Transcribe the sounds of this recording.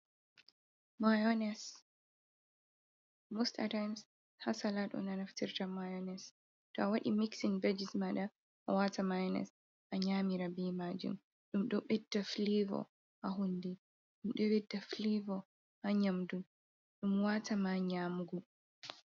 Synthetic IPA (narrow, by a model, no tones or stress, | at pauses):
majɔnɛs | mosta̰tajms | hasalaɗɔ̰nanaftiɾtamajɔnɛs | tɔawaɗḭmiksinbad͡ʒismaɗa | ʔawatamajɔnɛ̰s | ʔaɲaːmiɾabimad͡ʒṵm | ɗumɗɔɓɛdːaflivɔ̰ | haɦundɛ | ɗumɗɔwɛdːaflivɔ | haɲamdum | ɗumwatʰamaɲamɡu